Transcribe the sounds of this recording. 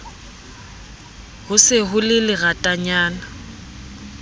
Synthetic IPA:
hʊsɪɦʊlɪlɪɣatʼaɲaːna

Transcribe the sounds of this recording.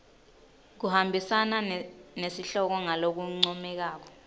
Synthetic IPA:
k̬uhambʱisananesiɬɔk̬ɔŋalok̬uŋ͡ǀɔmɛk̬aːk̬ɔ̥

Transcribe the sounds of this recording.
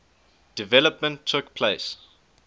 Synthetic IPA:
d̥ivɛləpmə̃ntʰːʊkpʰleɪs

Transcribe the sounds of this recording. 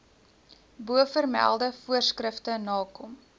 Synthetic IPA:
buəfərmæ̰lˠdəfuərskrəftənɑːkɔm

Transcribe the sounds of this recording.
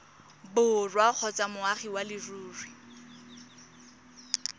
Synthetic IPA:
bʊrwak͡xʰɔt͡sʼamʊaχiwalɪruːrwi

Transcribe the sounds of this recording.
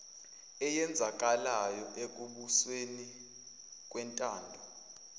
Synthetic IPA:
ɛjɛnd͡zʱak̬ʼalajɔʔek̬ʼuɓusweni | k̬ʼwɛntʼaːndʱɔ

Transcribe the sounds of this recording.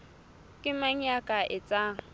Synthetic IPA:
kʼɪmaŋ̩jakʼaʔɪt͡sʼaŋ̩

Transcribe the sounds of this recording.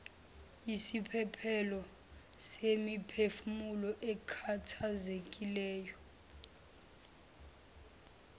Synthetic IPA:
isipʰɛpʰɛlɔ | semipʰefumulɔʔɛkʰatʰazekʼilɛːjɔ

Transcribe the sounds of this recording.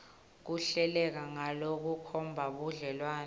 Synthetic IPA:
k̬uɬɛlɛk̬aŋalok̬ukʰɔmbʱaɓuɮɛlwaːn

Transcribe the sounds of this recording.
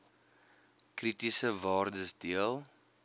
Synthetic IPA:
kritisəvɑːrdəsdiəlˠ

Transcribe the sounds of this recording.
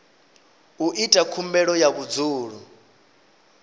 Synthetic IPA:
uʔitʼakʰumbɛɺɔjaβud͡zuːɺu

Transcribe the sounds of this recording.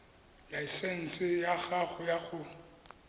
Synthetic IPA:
laɛsɛn̩sɪjaɣaɣʊjaɣʊ

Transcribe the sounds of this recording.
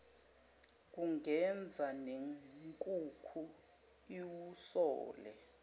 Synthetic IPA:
k̬uŋɛnd͡zʱanekʼukʰu | iwusɔ̰ːlɛ̰

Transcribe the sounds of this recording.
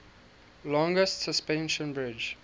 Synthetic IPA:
lɔ̃ŋɡəstsəspɛ̃nʃə̃nbɹɪd͡ʒ

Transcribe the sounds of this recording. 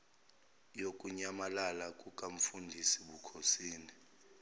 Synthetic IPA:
jokʼuɲamalalakʼukʼaɱ̩fundʱisiɓukʰosiːni

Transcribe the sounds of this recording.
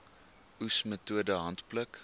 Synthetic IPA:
usmətuədəɦɐntplək

